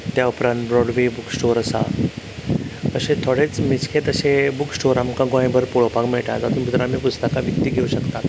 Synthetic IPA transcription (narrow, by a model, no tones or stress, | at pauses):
t̪jaupɾãnt̪bɾɔɽʋebuksʈoɾəsa̰ | əɕẽt̪ʰoɽet͡smit͡skʰet̪əɕebuksʈoɾamkãɡõjẽbəɾpuɭopakmeɭʈa̰d͡zat̪uːnpit̪ɾamiːpust̪əkaʋikt̪iːɡʱeuɕəkt̪at̪